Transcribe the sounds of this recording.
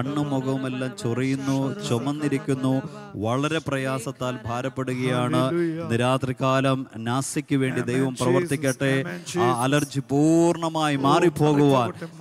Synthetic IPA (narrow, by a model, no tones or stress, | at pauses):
ɐɳːumuɣɐʋumelːaːmt͡ɕurijunːut͡ɕomɐnːiɾikʲːunːu | ʋɐɭɐɾe̞prɐjaːsɐt̪ːaːlbʱaːɾɐpːe̞ɽuɣɐjaːɳɨniɾaːt̪rikaːlɐmnaːsikʲːuʋe̞ːɳɖid̪e̞jʋɐmprɐʋɐrt̪ikʲːɐʈːe̞aːɐlɐrd͡ʑipuːrɳɐmaːjimaːripo̞ːɣuʋaːn